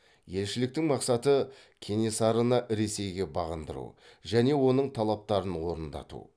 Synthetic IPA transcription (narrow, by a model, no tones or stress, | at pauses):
je̞lʃɪlɪk̚t̪ɪŋmɑqsɑt̪ə | kʲʰenesɑɾənɑʔɾe̞se̞jɡʲe̞bɑʁənd̪əɾṵʒæne̞wo̞nəɴt̪ʰɑlˠɑp̚t̪ɑɾənwo̞ɾənd̪ɑ̰t̪ṵ